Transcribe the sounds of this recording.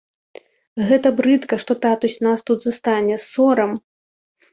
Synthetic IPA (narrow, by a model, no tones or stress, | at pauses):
ɣɛt̪ɐbɾɨt̪kɐʂt̪ɔt̪at̪usʲnast̪ud̪zɐst̪anʲɛsɔɾɐm